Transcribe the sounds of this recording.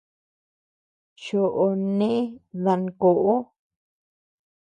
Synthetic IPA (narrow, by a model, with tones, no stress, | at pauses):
ʃo˨ʔo˨nẽ˦e˦ða˧ŋ˨ko˨ʔo˦